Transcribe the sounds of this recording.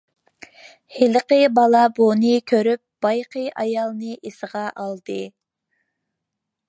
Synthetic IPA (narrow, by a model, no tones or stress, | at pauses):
helqəbɑlˠɑbonɨkʲʰøɾyp̚b̥ɑjqəʔɑjɑlˠnɨʔesəʁɑʔɑlˠd̪ɨ